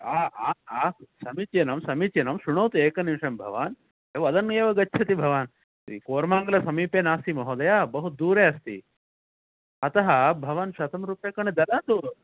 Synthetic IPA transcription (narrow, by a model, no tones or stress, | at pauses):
aːaːaːsɐmit͡ʃjɐnɐmsɐmit͡ʃjɐnɐmʃuɳowt̪ueːkɐnimʂɐmbʱɐ̰ʋaːn | eːʋɐɐd̪ɐneːʋɐɡɐtːt͡ʃʰɐt̪ibʱɐʋaːn | ḭkoːɾmaːŋɡɐlɐsɐmiːpeːnaːst̪imɐɦoːd̪ɐjaːbɐɦud̪uːɾeːɐst̪ḭ | ɐt̪ɐɦɐbʱɐʋaːnʃɐt̪ɐmɾuːpjeːkɐɳed̪ɐlaːnt̪u